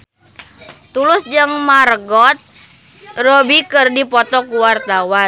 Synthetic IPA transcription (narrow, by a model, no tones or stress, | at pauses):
t̪ulʊsd͡ʒɨŋmarɡɔt̪̚ | rɔbikɨrdipɔt̪ɔkuwart̪awa